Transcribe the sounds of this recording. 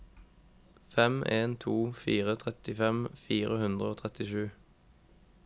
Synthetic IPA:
fɛmʔeːnt̪ʰuːfiːʁət̪ʰʁɛt̪ɪfɛmfiːʁəhʉnd̪ʁəoːt̪ʰʁɛt̪ɪʃʉː

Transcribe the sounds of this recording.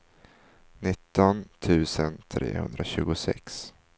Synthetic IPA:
nɪt̪ːɔnt̪ʰʉ̟ːsənt̪ʰɾʔeːhɵ̰nd̪ɾaɕʉ̟ːɡʊsɛ̰ks

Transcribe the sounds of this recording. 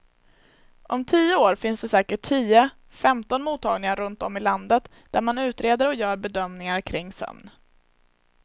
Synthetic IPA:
ʔɔmt̪ʰiːəoːɾfɪnsd̪ɛsɛːkəʈʰːiːə | fɛmt̪ɔnmuːt̪ʰːɑːɡnɪŋaɾɵnt̪ɔmːɪland̪ət̪ | d̪̥æɾmanʉ̟ːt̪ɾeːd̪əɾɔjœːɾbɛd̪œmnɪŋaɾkʰɾɪŋːsœ̰mn

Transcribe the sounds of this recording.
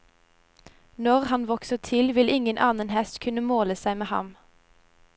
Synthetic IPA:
nɔʁhɑnʋɔksəʁt̪ʰɪlʋɪlɪŋənʔɑːnənhɛst̪kʰʉnəmoːləsæɪmeːhɑ̰m

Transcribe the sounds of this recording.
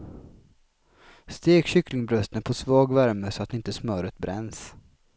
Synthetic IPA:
st̪eːkɕʏklɪŋbɾœst̪ənpʰɔsvɑːɡvæɾməsɔat̪ːɪnt̪əsmœːɾət̪bɾɛ̰nːs

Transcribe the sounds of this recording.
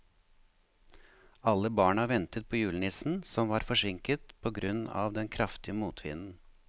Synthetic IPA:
ɑlːəbɑːɳɑʋɛnt̪ət̪̚pʰoːjʉːlnɪsn̩sɔmʋɑːɾfɔʂɪŋkət̪pʰoːɡɾʉnɑ̰ːʋd̪ɛnkʰɾɑft̪ɪəmuːt̪ʰʋɪ̰nn̩

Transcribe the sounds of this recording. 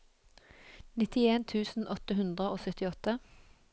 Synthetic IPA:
nɪt̪ɪeːnt̪ʰʉːsn̩ʔɔt̪əhʉnd̪ʁəoːsœt̪ɪɔt̪ə

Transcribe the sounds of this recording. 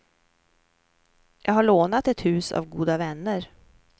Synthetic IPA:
jʔɑ̰ːɡhaɭoːnat̪ɛt̪hʉ̟ːsa̰vɡuːd̪avɛnːəɾ

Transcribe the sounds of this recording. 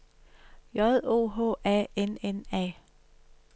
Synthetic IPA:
jɒ̽ðˠo̝̰ːɦɔ̰ːæ̰ːenenɛ̰ː

